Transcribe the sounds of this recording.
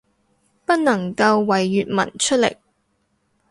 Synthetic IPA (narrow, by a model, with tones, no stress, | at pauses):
pɐ˥t̚nɐ˨˩ŋkɐ˧wːɐ˨jːyː˨t̚mɐ̰˨˩nt͡ʃʰɵ˥t̚lɪ̰˨˩k̚